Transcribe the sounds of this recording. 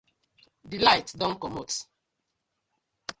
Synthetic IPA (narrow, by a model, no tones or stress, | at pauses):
dilaɪtdɔ̃nkɔmot